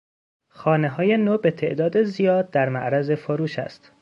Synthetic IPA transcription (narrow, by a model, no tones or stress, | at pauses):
xɒːneɦɒːje̞nobe̞t̪ʰe̞ʔd̪ɒːd̪ezijɒːd̪̚ːæɾmæ̰ʔɾæze̞foɾuːʃæ̰st̪